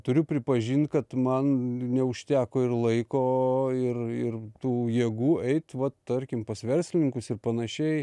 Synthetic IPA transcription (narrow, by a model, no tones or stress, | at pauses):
t̪ʊɾʲʊpʲɾʲɪpɐʒʲiːnt̪̚kɐt̪mɐnnʲɛʊʃʲt̪ʲæːkoːɪrlˠɐɪkoːɪrɪrt̪uːjiːɡuːɛɪt̪ʋɐt̪t̪ɐrʲkʲɪmpɐsʋʲɛrʲsʲlʲɪnʲɪŋkʊsɪrpɐnɐʃʲɛɪ